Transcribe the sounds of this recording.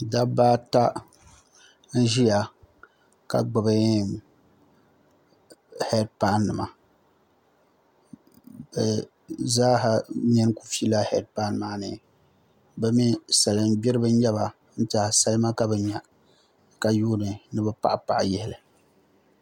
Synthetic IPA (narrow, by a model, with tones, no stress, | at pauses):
da˦baː˦ta˦ | n̩˦ʒi˦ja˨ | ka̰˨ɡ͡bɨ˨bɨ˦˨ | hɛ˦d̚pa˦nːɨ˨ma˨ | bɛ˨ | zaː˦ɦa˨ɲɛ˦n˦ku̥˦fi˦la˦hɛ˦d̚pa˦nmaː˦nɨ˨ | bɛ˦mi˦sa˨lɨ˨n˦bɪ˦ɾɨ˦bɨ˦ɲɛ˦ba˨ | n̩˦ta˨sa˦lma˦ka˦bɛ˨ɲɛ˨ | ka˨juː˦nɨ˨nɨ˦bɛ˦pa̰˨ʔa˦˨pa˨ʔjɛ˦hɪ˨lɨ˨